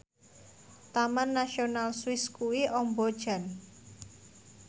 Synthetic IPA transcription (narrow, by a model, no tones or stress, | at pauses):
t̪amanːaʃionalswɪskuwiʔɔmbɔd̥ʒ̥a̤n